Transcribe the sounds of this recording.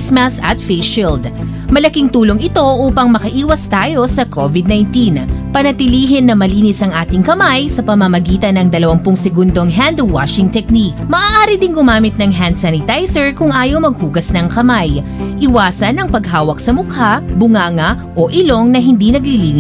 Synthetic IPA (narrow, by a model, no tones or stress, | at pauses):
smɐsɐt̪feʃild̪ | mɐlɐkiŋt̪uːloŋɪt̪o̞ʔuːpɐŋmɐkɐʔiːwɐst̪aːjo̞sɐkʰovɪd̪̚najnt̪inpɐnɐt̪ɪliːɦɪnːɐmɐliːnɪsɐŋʔaːt̪ɪŋkɐmajsɐpɐmɐmɐɡiːt̪ɐnɐŋd̪ɐlɐwɐmpʊŋsɛɡund̪o̞ŋɦand̪wa̰ʃɪŋt̪ɛk̚nikmɐʔaːʔaːɾɪd̪ɪŋɡʊmaːmɪt̪̚nɐŋɦand̪sanɪt̪ajsɛɹkʊŋʔaːjowmɐɡ̚huːɡɐsnɐŋkɐmajʔɪwaːsɐnɐŋpɐɡ̚ɦaːwɐksɐmʊkhabʊŋaːŋɐ | ʔo̞ʔɪlo̞ŋnɐɦɪnd̪inɐɡliliːn